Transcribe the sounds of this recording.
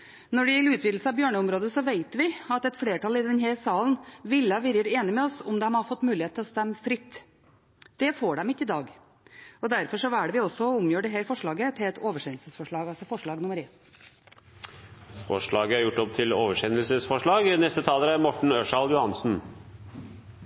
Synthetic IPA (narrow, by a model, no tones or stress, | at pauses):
nɔɖɪjɛlʉːt̪ʰʋɪːd̪l̩səɑʋbjøːɳəʊmɾoːd̪əsɔʋeɪt̪ʋɪɑt̪ɛt̪fleːʈɑlɪd̪ɛnɦæːɾsɑːlnʋɪlːɑʋɪɾjəɾeːnɪmɛɔsʊmd̪ɛmhɑɾfɔt̪ːmʉːlɪheːt̪ʰlɔst̪ɛmːfɾɪt̪ː | d̪̥ɛfoːɖɛmɪkːəɪd̪ɑːɡ | ɔd̪æɾfɔɾʂɔæɖɛʋɪɔsːɔʊmjøːɖɛɦæːɾfɔʂɭɑːɡət̪ʰɪlɛt̪oːʋəʂɛnlsəsfɔʂɭɑːɡɑlsɔfɔʂɭɑːɡnʊməɾeːn | fɔ̰ʂɭɑːɡəæɾjʊʈːɔp̚t̪ʰɪloːʋəʂɛnəlsəsfɔʂɭɑːɡnɛst̪ət̪ʰɑːləɾæɾmɔʈɳ̩œʂɑljʊhɑnsn̩